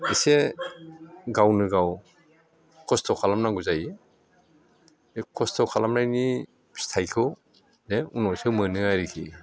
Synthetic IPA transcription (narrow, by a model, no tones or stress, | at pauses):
ise | ɡawnɯɡaw | kʰɔstʰɔkʰalamnaɡuzaj | kʰɔstʰɔkʰalamnajni | stʰajkʰɯw | neunɔsɯmɯnɯajɾikʰḭ